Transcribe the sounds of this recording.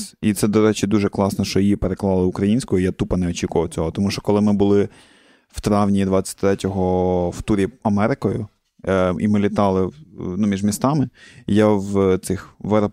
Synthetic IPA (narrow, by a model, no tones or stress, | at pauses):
it̪sɛd̪ɔɾɛt͡ʃɪd̪uʒɛklˠɑsnɔʃt͡ʃɔjjipeɾeklˠɑlˠɪʊkɾɐjinʲsʲkɔɦɔijat̪upɐnɛɔt͡ʃʲikʊʋɐwt͡sʲɔɦɔt̪ɔmuʃt͡ʃɔ̥kɔlˠɪmɪbʊlˠɪ | w̥t̪ɾɑwnʲid̪ʋɑt͡sʲːɐ̥t̚ʲt̪ɾɛtʲɔɦɔft̪uɾʲiɐmɛɾɪkɔjʊ | imɪlʲit̪ɑlˠɪnumʲiʒmʲist̪ɑmɪjawt̪sɪxʋɛɾɔ